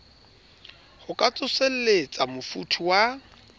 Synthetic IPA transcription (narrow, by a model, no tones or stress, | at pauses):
χʊkʼat͡sʼʊsel̩let͡sʼamʊfutʰiwa